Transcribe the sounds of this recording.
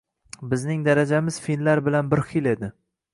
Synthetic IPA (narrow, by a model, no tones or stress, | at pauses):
bɪznɪŋd̪aɾad͡ʒamɪz̥finlaɾbɪlanbɪɾχɪle̞d̪ɪ